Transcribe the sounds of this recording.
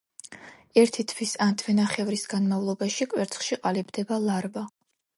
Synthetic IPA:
ɛɾt̪ʰit̪ʰwisant̪ʰvɛnaχɛvɾisɡanmavlˠɔbaʃikʼwɛɾt̪sʰχʃiqʼalibd̪ɛbalˠaɾba

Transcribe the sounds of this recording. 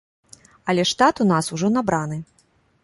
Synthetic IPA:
ɐlʲɛʂt̪at̪un̪asuʐɔnabɾanɨ

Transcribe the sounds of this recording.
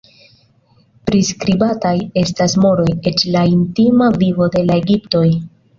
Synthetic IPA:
pɾiskɾibataje̞stasmo̞ɾo̞je̞t͡ʃlaintimavivo̞de̞lae̞ɡipto̞j

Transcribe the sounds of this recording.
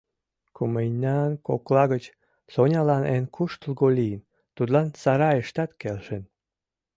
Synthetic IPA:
kuməjnʲɑnkoklɑɣət͡ɕ | sonʲɑlɑnenkʰuʃt̪lɣolʲijən | t̪ud̪lɑnsɑɾɑeʃt̪ɑt̪kelʃən

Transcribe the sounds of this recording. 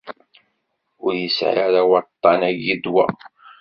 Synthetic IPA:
ʊɾjəsʕaɾawət̪ˤːɑnæɡid̪wæ̰

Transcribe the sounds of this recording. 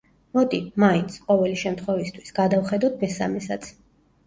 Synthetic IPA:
mɔt̪ʼimaint̪sʰqʼɔvɛliʃɛmt̪ʰχwɛvist̪ʰwi̥sɡ̥ad̪avχɛd̪at̪̚ʰmɛsa̰mɛsat̪sʰ

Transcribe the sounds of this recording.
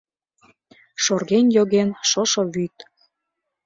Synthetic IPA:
ʃorɣenjoɣenʃɤʃoβyt̪̚

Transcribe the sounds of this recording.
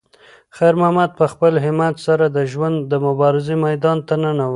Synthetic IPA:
xajɾmahmad̪̚pəxpəlɦɪmat̪saɾad̪əʒwand̪ːəmʊbɑɾɪzemajd̪ɑnt̪anənawə

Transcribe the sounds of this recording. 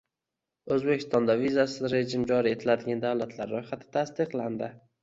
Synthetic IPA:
ɵzbekʲʰɪ̥st̪ɒnd̪avizasɪzɾe̞ʒɪmd͡ʒɒɾie̞t̪ʰɪlad̪ɪɡʲand̪awlat̪ʰlaɾːojχat̪ʰɪ̥t̪ʰast̪ɪqlˠand̪ɪ

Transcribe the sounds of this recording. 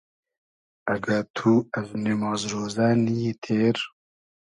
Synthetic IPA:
ɐɡɐɾt̪ʰuɛznemɑːzɾoːzɛnijet̪ʰeːɾ

